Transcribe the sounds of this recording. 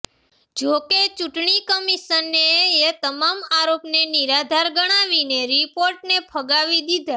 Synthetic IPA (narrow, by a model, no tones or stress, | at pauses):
d͡ʒoket͡ʃuʈɳikəmiʃənːeet̪əmamaɾopneniɾad̪ʱaɾɡəɽ̃aʋineɾipoɾʈnepʰəɡaʋid̪id̪ʱa